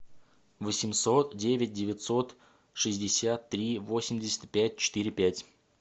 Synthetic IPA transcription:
vəsʲɪmso̞t̪dʲevʲɪt̚ʲdʲɪvʲɪt̪so̞t̪ | ʂɨzʲdʲɪsʲat̪ːɾʲivo̞sʲɪmʲdʲɪsʲɪ̥t̪ʲpʲæt̚ʲt͡ɕɪ̥t̪ɨɾʲɪpʲætʲ

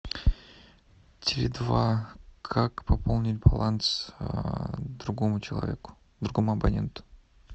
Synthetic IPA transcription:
tʲɪlʲɪd̪vakʰakpɐpolˠnʲɪlʲbɐ̰lˠant̪s | d̪ɾuɡomʊt͡ɕɪlˠɐ̰vʲḛkʊ̥ | d̪ɾuɡomʊɐbɐnʲe̞̰nt̪ʊ̥

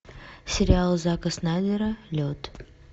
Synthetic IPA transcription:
sʲɪɾʲɪalˠzakəsnad̪ʲɪɾəlʲot̪

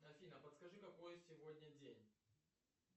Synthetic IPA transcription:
ɐfʲinəpət̪skɐʐɨkɐko̞jsʲɪvodʲnʲədʲenʲ

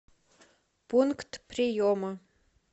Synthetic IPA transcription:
punkt̪prʲijomə

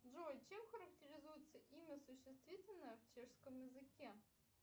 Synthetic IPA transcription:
ʐojt͡ɕemxəɾəktʲɪɾʲɪzujɪt̪səʔimʲəsʊɕːɪst̪vʲitʲɪlʲnəjəft͡ɕeʂskəmjɪzɨkʲe

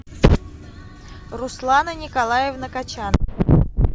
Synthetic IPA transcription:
rʊslˠanənʲɪkalˠajɪvnəkat͡ɕan

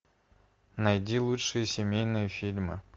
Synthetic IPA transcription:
nɐjdʲilˠutʂɨjəsʲɪmʲejnɨjəfʲilʲmɨ̰

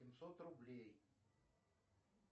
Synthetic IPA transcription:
ɪmsot̪rʊblʲej

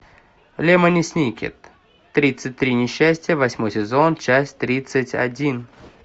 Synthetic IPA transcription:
lʲemənʲɪsʲnʲikʲɪ̰t̪ː | ɾʲit̪sɨt̚ʲt̪ːɾʲinʲɪɕːæsʲtʲɪjəvɐsʲmojsʲɪzo̞nt͡ɕæsʲtʲt̪ɾʲit̪sɨtʲɐ̰dʲin

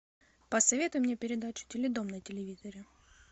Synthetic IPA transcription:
pəsɐvʲe̞t̪ʊjʊmnʲepʲɪɾʲɪd̪at͡ɕʊ̥tʲɪlʲɪd̪omnətʲɪlʲɪvʲizəɾʲɪ

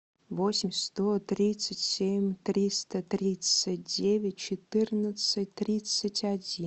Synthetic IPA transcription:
vosʲɪmʲst̪ot̪ɾʲit̪sətʲsʲemʲt̪ɾʲist̪ət̪ɾʲit̪sɨt̚ʲdʲevʲɪt̚ʲt͡ʃɪt̪ɨrnət̪sɨtʲt̪ɾʲit̪sətʲadʲi

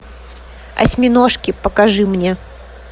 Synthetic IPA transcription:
ɐ̰sʲmʲɪnoʂkʲɪpəkɐʐɨmnʲe

